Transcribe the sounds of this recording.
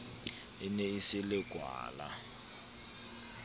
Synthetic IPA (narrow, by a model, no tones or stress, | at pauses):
ineisilɪɡ̥ʱwa̰ːla̰